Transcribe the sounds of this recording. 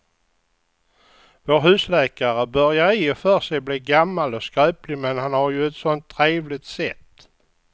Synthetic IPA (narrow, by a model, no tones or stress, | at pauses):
voːɾɦʉ̟ːslɛːkaɾəbœɾjaɾɪːɔfœːʂɛjbliːɡamːalɔskœːplɪmɛnhanhaɾjɵɛt̪sɔnt̪ʰːɾeːvlɪt̪sɛt̪ː